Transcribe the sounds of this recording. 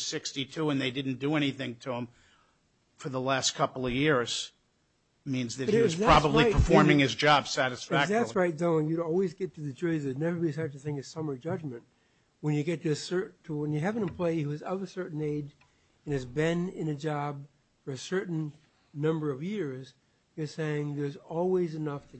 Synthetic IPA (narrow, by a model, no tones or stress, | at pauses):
sɪkstitʰuə̃nðeɪdɪdⁿn̩d̥ɨɛñiθɪ̃ŋtʰəə̃ɱ | fə˞ðəlæstkʰʌpl̩ˠʌvjɪɹz̥ | mĩnzðɨiwʌz̥ðʰɹ̥ɑbəblipʰə˞fɔɹmɪ̃ŋɨzd͡ʒɑbsæɾɨsfæðætsɹaɪt̚doʊɪ̃ŋjɨɾɔlˠwizɡɛtʰɨðɨd͡ʒɔɹzɨnɛvə˞biɨsɛtɨθɪ̃ŋɨ̥sʌmə˞d͡ʒʌd͡ʒmɨ̃nt̚ | wə̃njɨɡɛtʰɨɨsɜ˞ʔtʰəwə̃njɨɦævɨ̃ntəpʰl̥eɪhʉɨzʌvɨsɜ˞ʔn̩eɪd͡ʒ | ɨ̃nɨzbɪ̃nɪ̃nɨd͡ʒɑb | fə˞ɨsɜ˞ʔn̩ | nʌ̃mbə˞ʌvjɪɹz̥ | jə˞seɪɪ̃ŋðə˞zɔlˠwizɨnʌftʰɨ